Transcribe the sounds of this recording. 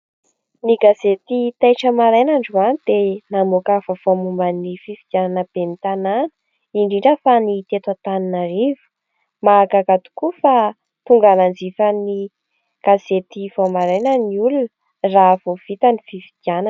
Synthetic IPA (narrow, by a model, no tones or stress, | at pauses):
niɡazet̪it̪ajʈ͡ʂəmaɾajnaɳɖ͡ʐuanid̪̥enamokafəv̥oamumbanifiviɡ̪jananəb̥enit̪ananə̥ | iɳɖ͡ʐiɳɖ͡ʐəfanit̪et̪wat̪aninarivu̥ | maɡaɡat̪u̥kufa | t̪uŋɡanand͡zifəni | ɡ̥azet̪ivomaɾajnəniulunə | raːv̥ov̥it̪ənifivid̪ianan